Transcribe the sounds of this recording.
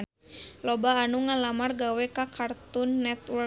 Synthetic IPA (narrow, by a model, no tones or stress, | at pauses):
lɔbaːnuŋalamarɡawɛkakart̪unːɛt̪wɔ